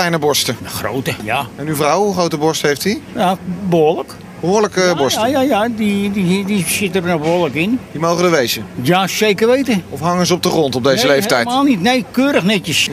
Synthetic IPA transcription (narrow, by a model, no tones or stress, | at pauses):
lɛjnəbɔɹstəəxro̰wtəjaɛnyvrɔwuχrowtəbɔɹstɦejftijabəoːlək | b̥əɦʊːɹləkəbɔɹsjajadididisɪtərnɔxboːləkɪndimowχəndəʋejzəjasejkərʋejtəɔfɦɑŋənzəɔb̚dəχrɔntɔb̚dejzəlejftɛjaːlˠnitnejkøːɾəxnɛtjəs